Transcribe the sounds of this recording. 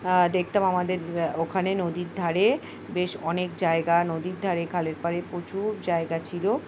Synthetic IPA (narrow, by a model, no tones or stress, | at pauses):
d̪ekʰt̪amamad̪eɾokʰanenod̪iɾd̪ʱaɾe | beʃɔnekd͡ʑaeɡanod̪iɾd̪ʱaɾekʰaleɾpaɾepɾot͡ɕuɾd͡ʑaeɡat͡ɕʰilo